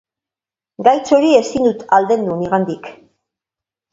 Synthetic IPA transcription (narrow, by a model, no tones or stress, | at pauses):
ɡajt͡so̞ɾie̞sind̪ut̪ald̪e̞nd̪uniɣand̪ik